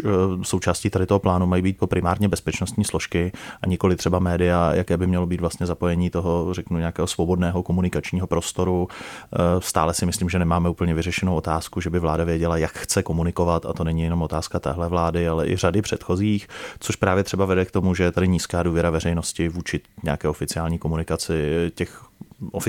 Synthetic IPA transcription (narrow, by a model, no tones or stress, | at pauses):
so̞wt͡ʃaːsciːt̪adɪt̪oɦo̞plaːnumajiːbiːt̪̚po̞pɾɪmaːɾɲɛbɛspɛt͡ʃnost̪ɲiːslo̞ʃkɪʔaɲɪko̞lɪt̪r̥ɛbamɛːdɪjajakɛːbɪmɲɛlobiːt̪vlast̪ɲɛzapo̞jɛɲiːt̪o̞ɦorɛknuɲɛakɛːɦosvo̞bo̞dnɛːɦo̞ko̞munɪkat͡ʃɲiːɦo̞pɾo̞st̪o̞ɾu | st̪a̰ːlɛsɪmɪsliːmʒɛnɛmaːmɛʔuːpl̩ɲɛvɪrɛʃɛnowo̞t̪aːskuʒɛbɪvlaːdavjɛɟɛlajakxt͡sɛko̞munɪko̞vat̪a̰t̪o̞nɛɲijɛno̞mo̞t̪aːskat̪ɛ̰ːɦlɛvlaːdɪalɛʔɪ̰radɪpr̝̥ɛt̪xo̞ziːxt͡so̞ʃpɾaːvjɛt̪r̥ɛbavɛdɛkt̪o̞muʒɛjɛt̪adɪɲiːskaːduːvjɛɾavɛɾɛjno̞scɪvuːt͡ʃɪɲɛakɛːo̞fɪt͡sɪaːlɲiːko̞munɪkat͡sɪcɛxʔofɪ